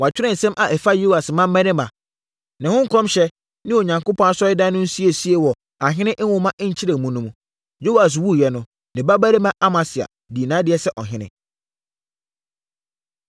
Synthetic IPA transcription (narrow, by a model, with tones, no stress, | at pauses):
wa˨t͡ɕᶣɪ˦ɾɪ̃˨n̩˨sɛ̃˦mʔa˨ʔɛ˨fa˦jo˦wa˨smã˦mː˦ɛ̃˦nɪ̃˦mã˨ | nɪ̃˨hʊ̃˦ŋ̩˦kʰɔ̃˦mɕɛ˦ | nɪ̃˦o˨ɲã˨ŋkʊ˦pʰɔ̃˦a˦sɔ˦ɪ˦dã˦nʊ̃˦n̩˦si˦e˨si˦e˨wɔ˨ | a˨ɦɪ̃˦nɪ̃˦ʔwʊ˦mã˦ʔɪ˦ɲ̩˨t͡ɕʰi˦ɾã˨mũ˦nũ˦m̃˨ | jo˦wa˨s̬wu˦˨jɛ˨nʊ̃˦ | nɪ̃˨ba˦ba˦ɾe˦mã˦ʔa˦mã˨sɪ˨a̰˨ | di˨nãː˨˦dɪ˦ɛ˦sɛ˦ʔɔ˨ɦɪ̃˦nɪ̰̃˦